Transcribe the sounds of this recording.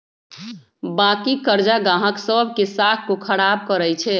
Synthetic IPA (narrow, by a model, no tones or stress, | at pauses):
bakikəɾd͡ʒaɡãɦəksəbʱkesakʰkokʰəɽab̚kəɾəjt͡ʃʰɛ